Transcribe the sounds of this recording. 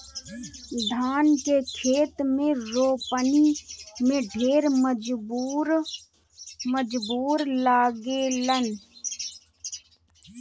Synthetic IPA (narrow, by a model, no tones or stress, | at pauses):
d̪ʱaːnkekʰeːt̪mẽɾoːpənimẽɖʱeːɾməd͡ʒɾ | məd͡ʒbuːɾlaːɡelən